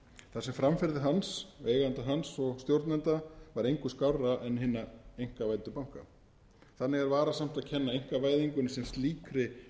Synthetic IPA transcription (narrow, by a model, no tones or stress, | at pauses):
θasɛmfɾamfɪɾðɪɦansveːjɣant̪aɦansɔɣst̪jowɾt̪nɛnt̪avaɾejŋkʏskawraɛnɦɪnːaejŋ̥kavaːjt̪ʏpawŋ̥ka̰ | θanːɪɣaɾvaːɾasam̥t̪aðcʰɛnːaejŋ̥kavaːjðiŋkʏnːɪsɛmst̪liːkɾɪ